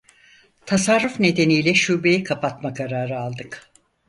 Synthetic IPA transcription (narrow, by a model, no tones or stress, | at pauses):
t̪ʰasaɾːufne̞d̪e̞nijlʲɛʃuːbe̞jikʰapat̪makʰaɾaːɾɯalˠd̪ɯk